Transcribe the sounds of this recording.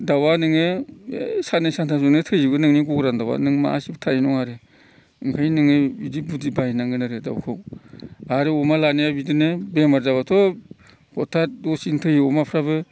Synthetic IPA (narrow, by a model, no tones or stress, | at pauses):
dawanɯŋɯḛsanɯsantʰasɔnɯtʰɯjibɯnɯŋniɡuɡɾandawa̰nɯŋma̰a̰sibtʰainɔŋaɾɯ | ɯŋkʰajnɯŋɯbidibudibajnaŋɡɯnɯɾɯda̰wkʰɯw | aɾɯɔmalanejabidɯnɯbemaɾzaβatʰɔ | kʰɔtʰːadɔsintʰɯjiɔmapʰɾabɯ